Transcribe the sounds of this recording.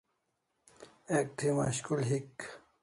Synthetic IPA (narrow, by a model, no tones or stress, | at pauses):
ek̚t̪ʰima̰ɕkulɦik